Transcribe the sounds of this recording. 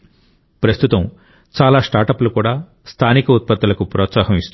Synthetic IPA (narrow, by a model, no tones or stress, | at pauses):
pɾɐst̪ʰut̪ɐm | t͡ʃaːlaːsʈaːɾʈɐplukuːɽaː | st̪ʰaːnikɐut̪̚pɐt̪ːɐlɐkupɾɔːt̪saːɦɐmist̪u